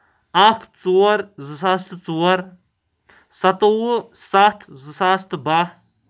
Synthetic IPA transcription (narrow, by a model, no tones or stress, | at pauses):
akʰt͡suwɐɾzɨsast̪t͡suwɐɾ | sɐt̪owu | sat̪ʰzɨsast̪ba